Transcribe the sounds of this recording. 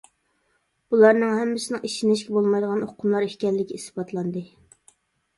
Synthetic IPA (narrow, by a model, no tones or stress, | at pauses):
b̥ulˠɑɾnɨŋhɛmːɪsɪnɨŋʔiʃinɪʃ̬kʲɛbolˠmɑjd̪əʁɑnoqʰʊmlˠɑɾihkʲɛlːɪkʲiisbɑt̪ʰlˠɑnd̪ɨ